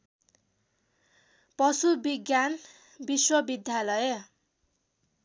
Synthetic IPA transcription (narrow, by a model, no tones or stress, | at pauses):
pʌsubiɡjan | biswʌbid̪ʱjalʌjʌ